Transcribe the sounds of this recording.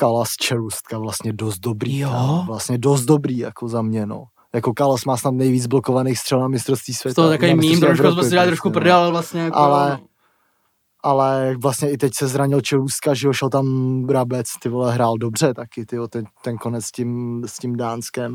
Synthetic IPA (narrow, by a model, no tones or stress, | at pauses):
kalast͡ʃɛɾust̪̚kavlast̪ɲɛdost̪̚do̞bɾiːvlast̪ɲɛdo̞st̪̚do̞bɾiːjakozamɲɛno̰ | jako̞kalasmaːsnat̪nɛjviːd͡zblokovanejxst̪r̥ɛlnamɪst̪ɾofst̪viːsvjɛt̪t̪akoemmimɛovɾsmɛɛɛalɪt̪ɾoʃkupr̩dɛalvlast̪ɲɛjaʔalɛ | ʔalɛvlast̪ɲɛɪt̪ɛcsɛzɾaɲɪlt͡ʃɛɾust̪̚kaʒɪoʃɛlt̪amɾabɛt͡st̪ɪvolɛɦɾaːldo̞br̝ɛt̪akɪt̪ɪot̪ɛt̪ɛnko̞nɛt͡sscɪmscɪmdaːnskɛm